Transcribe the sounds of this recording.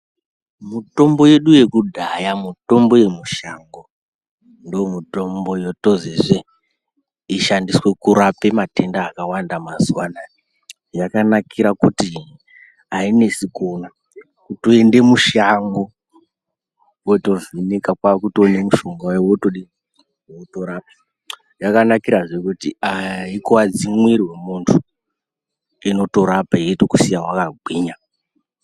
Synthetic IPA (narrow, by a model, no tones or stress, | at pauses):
muto̞mbo̞je̞ɗuje̞kudʱajamuto̞mbo̞je̞muʃaŋɡo̞ | ndoomuto̞mbo̞joto̞zeʐe | iʃandiswe̞kuɾape̞mate̞ndaːkawandamazuwana | jakanakʰiɾakuti | aine̞sikona | kutoende̞muʃaŋɡo̞ | weto̞vinekakwakuto̞nemuʃoŋɡajowotoɗi | otoɾap̚a | jakanakiɾaʐe̞kutiaikoad͡zimwirwe̞muntʰu | ino̞to̞ɾapaetokusijaɦwakaɡʱiːɲa